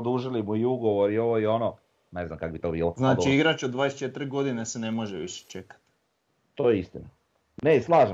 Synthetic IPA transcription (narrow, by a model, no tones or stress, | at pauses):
d̪uːʒilimuiuɡo̞ʋoɾio̞ʋoio̞no | neznamkakobit̪oːbiːlˠoznaːɡiiɡɾat͡ʃod̪ʋaːd̪est͡ʃet̪ɾɡo̞d̪inesenemoʒeʋḭʃe̥t͡ʃekḁt̪ | t̪o̞ːjeist̪ina | neslˠaːʒe